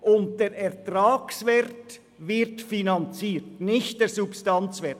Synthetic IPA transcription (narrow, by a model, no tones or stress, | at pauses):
ʊnt̚d̥eːɾɛɾtɾaːksvɛɾt | vɪɾtfinɑnt͡siːtnɪçt̚d̥eːɾsupstɑnt͡svɛt